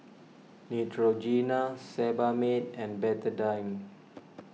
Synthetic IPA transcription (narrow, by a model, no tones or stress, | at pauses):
nitʰɹod͡ʒinasɛbametɛ̃nbɛtədãjm